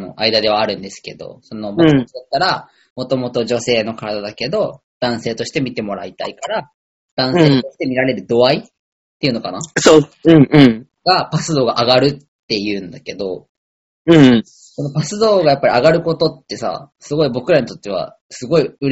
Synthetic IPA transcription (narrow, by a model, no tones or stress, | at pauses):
no̞̰ʔaid̪ad̪e̞βaːɾɯ̟̃nd̪e̞sɨ̥ke̞d̪o̞̰so̞no̞mat͡ɕd̪at̪ːaɾa | mo̞t̪o̞mo̞t̪o̞ʑo̞se̞ːno̞kaɾad̪ad̪ake̞d̪o̞ | d̪̥ãɰ̃se̞ːt̪o̞ɕi̥t̪e̞mʲit̪e̞mo̞ɾait̪a̰ikaɾa | d̪̥ãɰ̃se̞ːt̪o̞ɕi̥t̪e̞mʲiɾaɾe̞ɾɯ̟d̪o̞ai | t̪ːe̞iɯ̟no̞kanasoɯ̟̃ɴɯ̟̃ɴ | ɡ̥apasɨd̪o̞ːɡaʔaɡaɾɯ̟t̪ːe̞jɯ̟̃ːnd̪ake̞d̪o̞ | ɯ̟̃ɴ | so̞no̞pasɨd̪o̞ːɡajapːaɾʲiaɡaɾɯ̟ko̞t̪o̞t̪ːe̞sa̰sɨɡo̞ibo̞kɯ̟ɾaɲ̟it̪o̞t̪ːe̞βa̰ | sɨɡo̞iɯ̟